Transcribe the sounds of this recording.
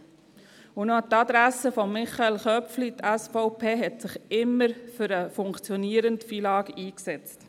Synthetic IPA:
unot̪ɑd̪ɾæsəfɔmːɪχɑelχœpflit̪æsfɔʊpʰeːɦɛtsɪχɪmːəɾfʏɾəfʊŋkt͡sjɔniəɾəntfiːlɑːɡiːksɛt͡st

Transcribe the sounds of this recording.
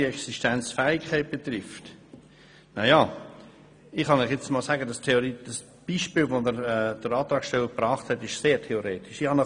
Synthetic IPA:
iɛksiʃtænt͡sfæɪkʰːɛɪt̚b̥et̪ɾɪft | najɑ | ɪχhɑniχjɛt͡stmɔlsæɡədɑstʰeoɾid̥ɑs | b̥iːʃpiːlʋonəɾɛd̥əɾɑːt̪ɾɑːkʃtɛləɾpɾɑːχthɛtɪʃseːɾtʰeoɾeːtɪ̥ʃɪχhɑnə

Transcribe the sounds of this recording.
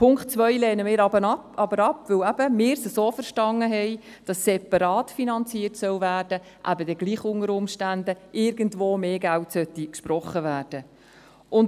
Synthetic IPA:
pʰʊŋktt͡sʋœjlɛːnəmɪːɾɑbənɑpɑbəɾɑpʋɵwæb̥əmɪːɾsəsoːfəɾʃtɑnːəɦɛj | d̥ɑsːɛpɑɾɑːtfinɑnt͡siːətsœwvæːrd̥ə | ʔæbədɛɡ̥liːχʊŋəɾʊmʃtændəʔɪɾɡəntvoːmeːɡæltsœtːikʃpɾɔχːəvæːrd̥ə | ʔʊn

